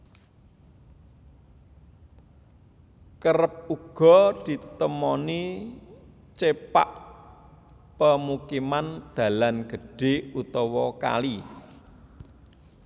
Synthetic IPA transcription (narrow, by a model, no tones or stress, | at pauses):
kəɾəp̚uɡ̥ɔ̤d̪̥i̤t̪əmɔni | t͡ʃepaʔ | pəmukimand̪̥ä̤lanɡ̥ə̤ɖ̥e̤ut̪ɔwɔka̰li